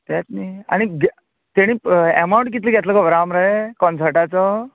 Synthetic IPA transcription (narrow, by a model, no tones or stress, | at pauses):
t̪ɛt̪nia̰ɽ̃iɡ | t̪eɽ̃ĩːɛmaw̃ɳʈk̬it̪liɡʱɛt̪ləkaʋɾamɾaɦekɔnsəɾʈat͡sɔ